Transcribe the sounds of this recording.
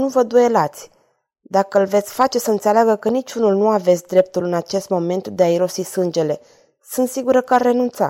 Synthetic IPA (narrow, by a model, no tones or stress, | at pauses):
nuvəd̪uje̞lat̪sʲ | d̪akəlve̞t̪sʲfat͡ʃe̞səɨnt̪seleaɡəkənit͡ʃunulnuave̞t̪sʲd̪ɾe̞p̚t̪ulɨnat͡ʃe̞st̪mo̞me̞nt̪d̪eaiɾo̞sisɨnd͡ʒe̞le̞ | sɨnt̪siɡuɾəkəarːe̞nunt̪sa̰